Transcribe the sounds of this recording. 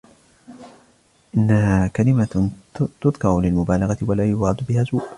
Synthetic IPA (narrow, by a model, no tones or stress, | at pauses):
ʔɪnːahaːkalɪmat̪ʊd̪ˤkɑɾʊlɪlmʊbaːlɑɣɑt̪ɪwalaːjʊbɾʕɑd̪ʊbɪhaːzuːʔ